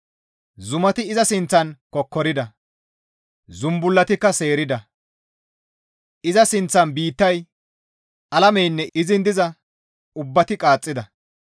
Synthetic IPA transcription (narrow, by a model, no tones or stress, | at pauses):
zʊmɐt̪ɪɪzɐsɪnt͡sːɐnkɔkːɔɾɪd̪ɐ | zʊmbʊlːɐt̪ɪkːɐse̞ːɾɪd̪ɐ | ɪzɐsɪnt͡sːɐnbiːt̪ːɐj | ʔɐlɐmɛjnːɛʔɪzɪnd̪ɪzɐ | ʊbːɐt̪ɪkʼaːt͡sʼːɪd̪ɐ